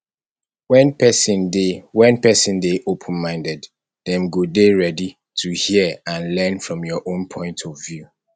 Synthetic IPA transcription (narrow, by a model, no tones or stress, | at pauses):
wɛ̃npɛsĩndewɛ̃npɛsə̃ndeʔopʰə̃nmãɪ̃ndɛd | ðɛ̃mɡodeɹɛdi | tʰuhiəãnlɛ̃nfɹɔ̃mjɔʔõnpʰɔ̃ɪ̃ntʰɔvju